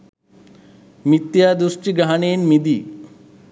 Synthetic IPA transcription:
mit̪jaːd̪uʂʈiɡɾaɦɐɳeːnmid̪i

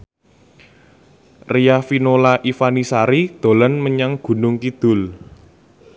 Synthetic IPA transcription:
rijafinolaʔifanisaɾid̪̥o̤lənməɲaŋɡ̥ṳnʊŋkid̪̥ʊ̤l

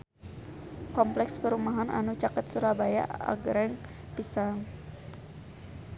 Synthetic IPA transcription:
kɔmplɛkspəɾumaɦana̰nut͡ʃakət̪̚suɾabaja̰a̰ɡɾɛŋ | pisaŋ

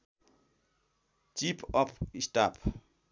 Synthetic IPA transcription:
t͡ʃipʰɔpʰisʈapʰ

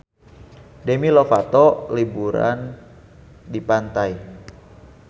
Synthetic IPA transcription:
dɛmilɔfat̪ɔlibuɾa̰n | dipant̪aj

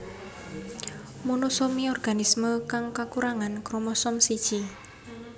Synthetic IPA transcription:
munusomiɔrɡ̥anisməkaŋkakuɾaŋankɾomɔsɔmsi̥t͡ʃi

